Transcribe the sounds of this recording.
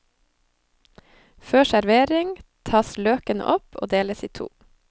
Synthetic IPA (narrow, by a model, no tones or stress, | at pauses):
føːʃæɾʋeːɾɪŋt̪ʰɑːsløːkənə̰ʔɔpo̰ːd̪eːləsiːt̪ʰṵː